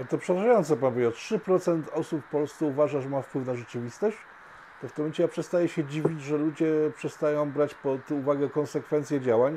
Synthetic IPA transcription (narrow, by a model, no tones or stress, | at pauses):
alɛt̪ɔpʂɛɾaʐajɔnt̪sɛpanbujɛtʂɘpɾɔt̪sɛnt̪ɔsupːɔlssuuvaʐaʐɛmafpwɘfnaʐɛt͡ʂɘvʲist̪ɔɕt͡ɕ | t̪ɔft̪ɪmɔɛnt͡ɕɛjapʂɛst̪ajɛɕɛd͡ʑivʲid͡ʑʐɛlud͡ʑɛpʂɛst̪ajɔ̃w̃bɾat͡ɕpɔt̪uvaɡɛkɔnsɛkfɛnt̪sʲjɛd͡ʑawaɲ